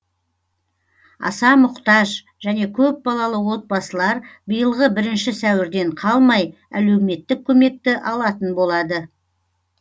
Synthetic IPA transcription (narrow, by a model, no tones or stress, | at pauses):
ɑ̰sɑmʊqt̪ɑʒ | ʒ̥æne̞kʲʰɵp̚bɑlˠɑlˠəwo̞t̪̚bɑsəlˠɑɾbəjəlˠʁəbɪɾɪnʃɪsæwɪɾd̪e̞ɴqʰɑlˠmɑj | æ̰lewme̞t̪ːɪk̚ʲʰːɵme̞k̚t̪ɪʔɑlˠɑt̪ənbo̞lˠɑd̪ə